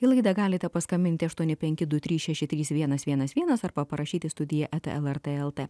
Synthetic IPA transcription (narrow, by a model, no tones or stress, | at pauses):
ilˠɐɪd̪ɐɡɑːlʲɪt̪ʲɛpɐskɐmʲbʲɪnʲt̪ʲɪɐʃt̪uɔnʲɪpʲɛŋʲkʲɪd̪ʊt̪ʲɾʲiːsʃʲɛʃʲɪt̪ʲɾʲiːsʋʲiɛnɐsʋʲiɛnɐsʋʲiɛnɐsɐɾbɐpɐɾɐʃʲiːt̪ʲɪst̪ʊd̪ʲɪjɛʔɛt̪ḛɛlˠɛɾt̪eɛlˠeː